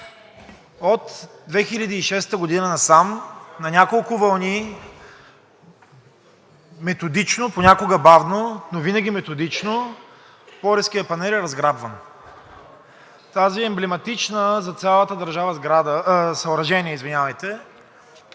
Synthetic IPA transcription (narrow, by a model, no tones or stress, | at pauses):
ot̪d̪vɛxiʎʲɐd̪iːʃɛst̪əɡod̪inənɐsamnɐnʲakolˠkʊvɐlˠni | mɛt̪od̪it͡ʃnoponʲakoɡəbavnonovinɐɡ̟ʲimɛt̪od̪it͡ʃno | pɔɾɛskijəpɐnɛlɛɾɐzɡɾabvɐn | t̪aziɛmblɛmɐt̪it͡ʃnəzɐt̪sʲjalˠət̪əd̪ɐɾʒavəzɡɾad̪əsɐʊɾɐʒɛniɛizvinʲavɐjt̪ɛ